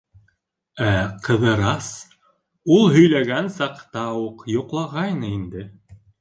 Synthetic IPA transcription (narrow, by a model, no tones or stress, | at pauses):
æqʰɤ̆ðɤ̆ɾɑs | ulˠɦɵ̆jlæɡænsɑqt̪ɑuqjŏqlˠɑʁɑjnɤind̪ɘ